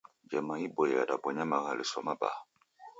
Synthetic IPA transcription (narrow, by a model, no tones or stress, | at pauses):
d͡ʒɛmaibɔjadabwɔɲamaɣalisɔmaba̰